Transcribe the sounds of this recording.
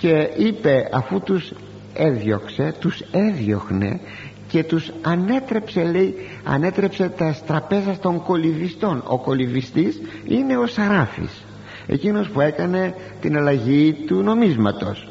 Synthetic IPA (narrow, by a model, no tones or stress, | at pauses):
ce̞ipe̞ɐfut̪us | eðʝo̞kse̞t̪use̞ðʝo̞̰xne̞̰ | ce̞t̪usɐne̞t̪ɾe̞pse̞le̞i | ɐ̰ne̞t̪ɾepse̞t̪ɐst̪ɾɐpe̞zɐst̪o̞ŋko̞livist̪o̞no̞̰ko̞livist̪is | ine̞o̞sɐɾɐfḭs | e̞̰cino̞spue̞kɐne̞ | t̪inɐlɐʝit̪uno̞mizmɐt̪o̞̰s